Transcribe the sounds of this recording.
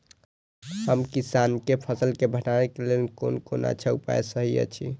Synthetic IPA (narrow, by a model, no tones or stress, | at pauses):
həmkisankepʰəsəlkebʱəʈanekelelko̰nkona̰t͡ʃʰɛupa̰esəɦijə̰t͡ʃʰi